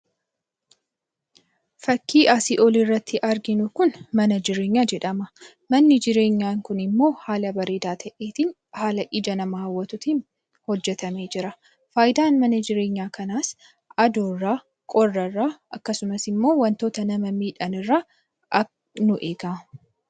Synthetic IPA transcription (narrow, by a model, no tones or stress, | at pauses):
fɐkːiːʔaːsiːʔɔlirːɐt̪ːɪʔɐɾɡɪnʊkʊnmɐnɐd͡ʒɪɾe̞ːɲːaːd͡ʒɛᶑɐmɐ | mɐnːɪd͡ʒɪɾe̞ːɲːaːŋkʊnɪmːo̞ːhaːlɐbɐɾeːd̪aːt̪ʰɐʔeːt̪ɪn | haːlɐʔɪd͡ʒɐnɐmɐhɐwːɐt̪ʊt̪in | hɔd͡ʒːɛt̪ɐme̞ːd͡ʒɪɾɐ | faːjɪd̪aːnmɐnɐd͡ʒɪɾe̞ːɲːaːkɐnaːs | ɐd̪oːrːaː | kʼɔrːɐrːaːʔɐkːɐsʊmɐsɪmːo̞ːwɐnt̪o̞ːt̪ɐnɐmɐmiːᶑɐnɪrːaː | ɐ | nʊʔeːɡaː